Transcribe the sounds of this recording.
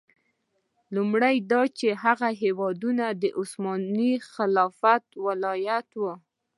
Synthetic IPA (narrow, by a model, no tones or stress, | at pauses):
lumɽajd̪ɑt͡ʃeɦaɣaɦewɑd̪unad̪əʔʊsmɑnixɪlɑfat̪̚wɪlɑjat̪wə